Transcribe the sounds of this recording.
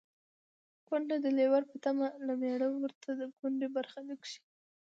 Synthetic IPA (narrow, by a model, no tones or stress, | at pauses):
ɡ̥ʊɳɖad̪əlewaɾpət̪amalameɽəwəɾt̪ʰad̪əɡʊɳɖebaɾxaləkʂi̥